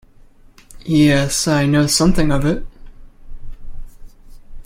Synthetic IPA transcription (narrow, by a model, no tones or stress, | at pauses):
jɛsaɪnoʊsʌ̃mθɪ̃ŋʌvɪt̚